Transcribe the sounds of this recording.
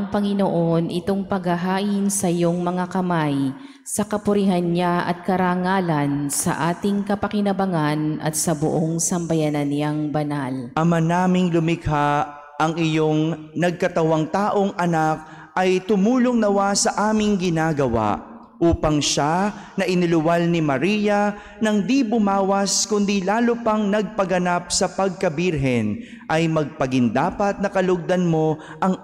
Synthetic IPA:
ʔɐŋpɐŋɪnoʔo̞nʔɪt̪o̞ŋpɐɡhɐɦaːʔɪnsɐʔɪjo̞ŋmɐŋakɐmaj | sɐkɐpʊɾihɐnɲaʔɐ̰t̪̚kɐɾaːŋaːlɐnsɐ̰ʔaːt̪ɪŋkɐpɐkɪnɐbɐŋanʔɐ̰t̪sɐbʊʔoŋsɐmbɐjanɐnjaŋbɐnalʔɐmanaːmɪŋlʊmɪɡha | ʔɐŋɪjo̞ŋ | nɐɡ̚kɐt̪ɐwaŋt̪aːʔo̞ŋʔɐnak̚ | ʔɐjt̪ʊmuːloŋnɐwasɐʔaːmɪŋɡɪnaːɡɐwa̰ʔ | ʔuːpɐŋʃanɐʔɪnɪlʊwalnɪmɐɾijɐ | nɐŋd̪ibʊmaːwɐskʊnd̪ilaːlopɐŋnɐɡ̚pɐɡɐnap̚sɐpɐɡ̚kɐbiɾɦɛn | ʔɐjmɐɡ̚pɐɡɪnd̪aːpɐt̪̚nɐkɐlʊɡ̚d̪ɐnmo̞ | ʔɐŋ

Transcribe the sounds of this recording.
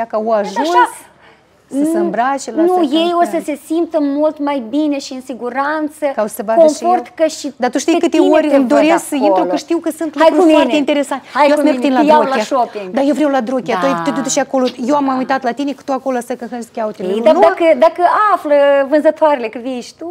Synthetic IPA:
akaoaʒuns | səsɨmbɾat͡ʃelnujejossəse̞simp̚t̪əmult̪majbine̞ʃiɨnsiɡuɾant̪səkawssəbakomfʃort̪kəʃid̪at̪uʃt̪ijkɨt̪eorʲɨmd̪oɾesksəinɾuəʃt̪iwkəsɨnt̪lajkɾuueeint̪eɾesant̪ʲajeameskt̪ineajaɾolaaʃopid̪ajewvɾewlad̪ɾokʲat̪ajt̪et̪ot̪uʃiako̞lojewamːaujt̪at̪lat̪ine̞kɨ̥t̪uako̞loasəkəxənskʲaut̪eled̪aakəd̪akəafləvɨnzət̪oaɾelekəviʃt̪u

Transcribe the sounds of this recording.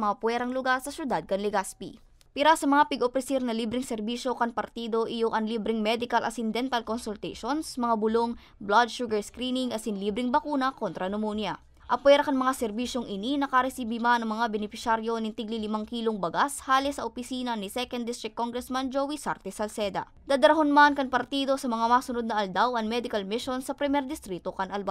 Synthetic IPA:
mɐŋapwɛːɾɐŋlʊɡaɾsɐsjʊd̪ad̪̚kɐnlɪɡaspḭ | piɾasɐmɐŋapɪɡopɾɛsiɾnɐliːbɾɪŋsɛɾbiːʃo̞kɐnpɐɾt̪iːd̪o̞ʔɪjoŋʔɐŋliːbɾɪŋmɛd̪ɪkɐlʔɐ̰sɪnd̪ɛnt̪ɐlkonsʊlt̪ɛʃonsmɐŋabʊloŋ | blad̪ʃuɡɐɹskɾinɪŋɐsɪnliːbɾɪŋbɐkuːnɐko̞nt̪ɾɐnomonjɐ | ʔɐpwɛɾɐkɐŋmɐŋasɛɾbiːʃo̞ŋʔɪninɐkaɾɛsibimanɐŋmɐŋabɛnɪpɪʃaɾjo̞nɪŋt̪iɡ̚lilɪmaŋkiːloŋbɐɡashaːlɪsɐʔopɪsiːnɐnɪsɛkɐnd̪ɪst̪ɾɪkːoŋɡɾɛsmɐnd͡ʒowisaɾt̪ɛsɐlsɛd̪ɐ̰ | d̪ad̪ɐɾɐɦonmankɐŋpɐɾt̪iːd̪o̞sɐmɐŋamaːsʊnod̪̚nɐʔɐld̪awʔɐŋmɛd̪ɪkɐlmɪʃonsɐpɾɛmɛɾd̪ɪst̪ɾit̪o̞kɐnʔɐlba

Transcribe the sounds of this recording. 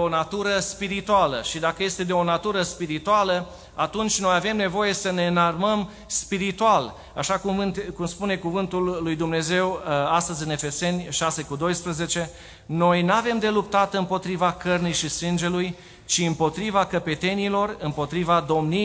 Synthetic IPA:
onat̪uɾəspiɾit̪ualəʃid̪akəje̞st̪ed̪eo̞nat̪uɾəspiɾit̪ualə | at̪unt͡ʃʲno̞jave̞mne̞vo̞je̞səne̞ɨnarməm | spiɾit̪ual | a̰ʃakumvɨnt̪kumspune̞kuvɨnt̪ulːujd̪umne̞ze̞wast̪əzʲɨne̞fe̞se̞nʲʃase̞kud̪o̞jspɾəze̞t͡ʃe̞ | no̞jnuave̞md̪e̞lupt̪at̪ɨmpo̞t̪ɾivakərnijʃisɨnd͡ʒe̞luj | t͡ʃiɨmpo̞t̪ɾivakəpe̞t̪e̞nilo̞rɨmpo̞t̪ɾivad̪o̞mni

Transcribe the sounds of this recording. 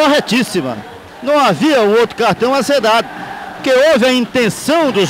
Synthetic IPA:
oɦɛt͡ʃisimɐ̰ | nɐ̃w̃aviɐũowt̪ɾʊkaɾt̪ɐ̃w̃ased̪ad̪ʊkeovɪɐĩnt̪ẽsɐ̃w̃d̪ʊʒ

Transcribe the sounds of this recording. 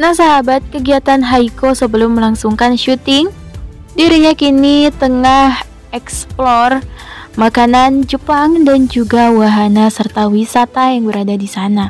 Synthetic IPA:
nasaɦabat̪̚kəɡiat̪anɦaikosəbəlʊmːəlaŋsuŋkanʃut̪ɪŋ | diɾiɲakinit̪əŋah | ɛksplɔrmakanand͡ʒəpaŋdand͡ʒuɡawaɦanasərt̪awisat̪ajaŋbəɾadadisana

